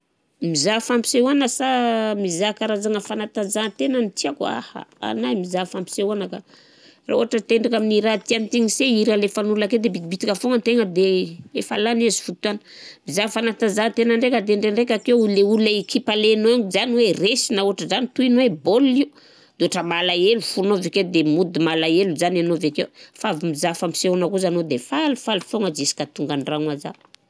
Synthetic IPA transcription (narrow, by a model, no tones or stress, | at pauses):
mizafampi̥sewanəsamizakaɾazaŋəfanat̪azat̪enənit̪iaka̰ha̰a̰najmizafampi̥seanaka | ra̰oɦaʈ͡ʂət̪eɳɖ͡ʐakaminiɾat̪ianit̪iŋiseiɾalefanulaked̪ebiibit̪ikafoŋənt̪eŋəd̪eefalanazi̥fut̪uanə̥ | mizafanat̪azat̪enaɳɖ͡ʐekad̪eɳɖ͡ʐeɳɖ͡ʐekakewuleuleikʰipalenoaŋizaniweresinauaʈ͡ʂəzanit̪uinweboli | d̪̥eoʈ͡ʂəmalaelufunoveked̪emud̪imalaeluzananovekewfavimizafami̥seonakuzanod̪efalfalufoŋəd͡ʒisi̥kat̪uŋɡaɳɖ͡ʐaŋaza